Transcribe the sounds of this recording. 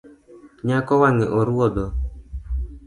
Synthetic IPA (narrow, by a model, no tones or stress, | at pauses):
ɲakɔwaŋɛʔɔɾuɔd̪ɔ